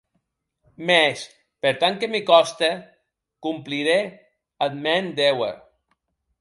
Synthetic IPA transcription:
mes | peɾt̪aŋkemikɔst̪e | kumpliɾe | ad̪mɛnd̪ewḛɾ

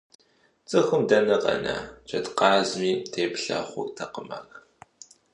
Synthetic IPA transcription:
t͡sʼɨxʊmdɐnɐqɐ̰na̰ːd͡ʒʰʼɐtqɑːzmiːtʰeːpɬɐ̰ːχʷʊ̰tʰɐqəma̰r

